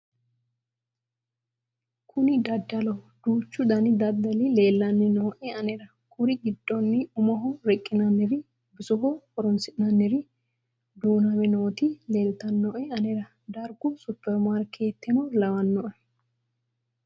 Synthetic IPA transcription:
kʰʊnɪd̪ɐd̪ːɐlɐ | d̪̥uːt͡ʃːʊd̪ɐnɪd̪ɐd̪ːɐlɪle̞ːlːɐnːɛnoːʔɛɐnɛɾɐ | kʊɾɪɡɪd̪ːɔnːɪʊmɐɦɔɾɛkʼːɪnɐnːɛɾɪ | bɪsɔɦɔkɔɾɔnsɪnɐnːɛɾɪ | d̪uːnɐmɛnoːt̪ɪle̞ːlt̪ɐnːɔːʔɛɐnɛɾɐ | d̪ɐɾɡʊsʊpːɛɾmaɾkʰeːt̪ːɛnɔlɐwɐnːɔʔɛ

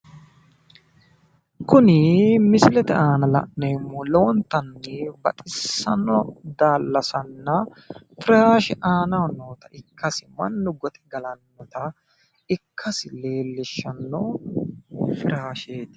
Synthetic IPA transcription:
kʊnɪmɪsɪlɛt̪ɛaːnɐlɐ̰ʔnɛɪmːɔloːnt̪ɐnːɛbɐt̪ʼɪsːɐ̰nɔd̪aːlːɐsɐnːɐ | fɪɾaːʃɛʔaːnɐnoːt̪ɐɪkʰːɐsɪmɐ̰nːʊɡɔt̪ɛ̥ɡɐlɐnːɔt̪ɐ | ɪkʰːɐsɪle̞ːlːɪʃːɐnːo | fɪɾaːʃeːt̪

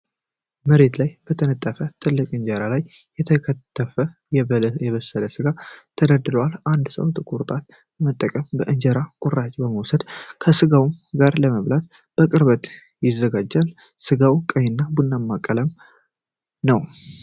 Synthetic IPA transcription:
məɾe̞t̪lajb̥ət̪ʰənət̪ʼːafət̪ʰɨlːɨkʼɨɲd͡ʒəɾalajː | ɛt̪ʰəkʰət̪ʰːəfəjɛjɛβəsːələsɨɡat̪ʰəd̪əd̪ɨləwaland̪sə̰wt̪ʼɨkʼuɾt̪ʼal | mət̪ʼːəkʼəmbəʔɨɲd͡ʒəɾakʼʊrat͡ʃʼbəməwsəd̪kʰəsɨɡawumɡaɾləməβlat̪ | b̥əkʼɨɾbət̪ | jɪzːəɡad͡ʒːal | sɨɡawkʼəɲːɪnːabunːamːakʼːələm | nəw

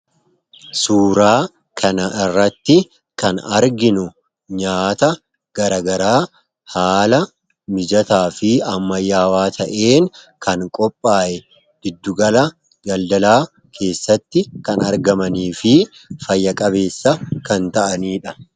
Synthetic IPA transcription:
suːɾaː | kʰɐnɐʔɪrːɐt̪ːɪ | kɐnɐɾɡɪnʊ | ɲaːt̪ɐ | ɡ̥ɐɾɐɡɐɾaː | haːlɐ | mɪd͡ʒɐt̪aːfɪɐmːɐjːaːwaːt̪ʰɐʔe̞ːŋ | kʰɐŋkʼɔpʼːaːʔɛ | d̪̥ɪd̪ːʊɡɐlɐ | ɡɐld̪ɐlaː | kʰe̞ːsːɐt̪ːɪkɐnɐɾɡɐmɐniːfɪfɐjːɐkʼɐbe̞ːsːɐkɐnt̪ɐʔɐniːᶑɐ

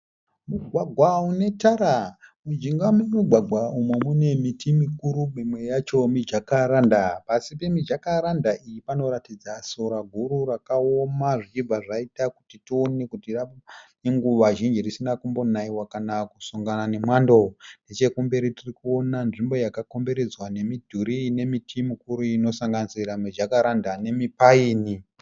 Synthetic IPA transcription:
muɡʱwaɡʱwaune̞taɾamud͡ʒiŋɡamemuɡʱwaɡʱwaumemune̞mitimikuɾumimwe̞jat͡ʃo̞mid͡ʒakaɾandapasipe̞mid͡ʒakaɾandaʔijipano̞ɾatid͡zasoɾaɡʱuɾuɾakaomaʐit͡ʃib͡vaʐaitaku̥titione̞kutiraneŋɡuʋaʒind͡ʒirisinakumbo̞naiwakanakusoŋɡanane̞mwando̞nde̞t͡ʃe̞kumbeɾitirikuo̞nanʐimbo̞jakako̞mbe̞ɾe̞d͡zwane̞midʱuɾine̞mitʰimukuɾuino̞saŋɡanisiɾamid͡ʒakaɾandane̞mipaiːni

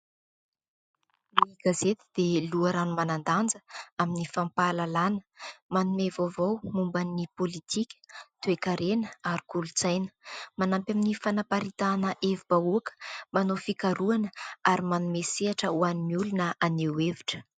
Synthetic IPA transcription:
miɡazet̪i̥d̪̥eluaɾanumanand̪and͡zəaminifampalalanə̥manumevovawmumbanːipolit̪ʰikʲə̥t̪uekaɾenəaɾi̥kulut͡sajnə̥manampaminifanapaɾit̪anəʔevibauakə̥manofikaɾuanəaɾimanumeseaʈ͡ʂəuanimiulunəaneweviʈ͡ʂə̥

